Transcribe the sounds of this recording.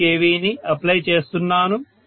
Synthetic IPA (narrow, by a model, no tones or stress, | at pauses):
eːʋiːniɐplɐjt͡ʃe̞ːst̪unːaːnu